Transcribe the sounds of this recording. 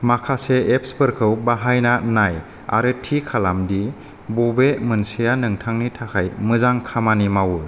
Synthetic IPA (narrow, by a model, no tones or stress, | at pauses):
makʰaseep̚spɯɾkʰɯwbaɦajnanaj | a̰ɾɯtʰikʰalamdi | bobemɯnsijanɯŋtʰaŋnitʰakʰajmɯzaŋkʰamanimawuj